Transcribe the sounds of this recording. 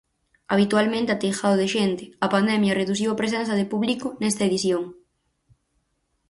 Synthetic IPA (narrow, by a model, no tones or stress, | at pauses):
aβ̞it̪walmẽnt̪ɪɐt̪ejxaðoðeʃent̪ɪ̥ɐpand̪ɛmjɐreðuθ̬iwɐpɾes̬ɛnθɐðepuβlikʊnɛst̪ɐeðiθjoŋ